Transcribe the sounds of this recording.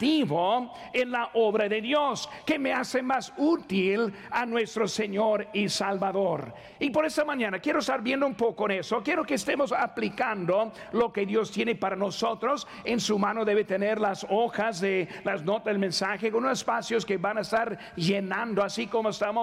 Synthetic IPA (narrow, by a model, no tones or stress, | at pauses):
t̪iβo | enlaʔoβɾaðeðjoskemeasemasut̪il | anwe̞st̪ɾoseɲoɾisalβaðoɾ | ipoɾest̪amãɲanakje̞ɾoest̪aɾbjend̪oumpokoenesokjeɾokeːst̪emosaplikand̪o | lokeðjo̞st̪jenepaɾanosot̪ɾos | ensumãnoðe̞βet̪eneɾlasoxazðelaznot̪azðelmẽnsaxekonosespasjoskeβanaest̪aɾ | ʒenãnd̪oasikomoest̪amo